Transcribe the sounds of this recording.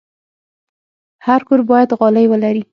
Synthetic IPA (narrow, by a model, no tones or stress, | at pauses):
haɾkoɾbɑjad̪ɣɑlajwəlaɾi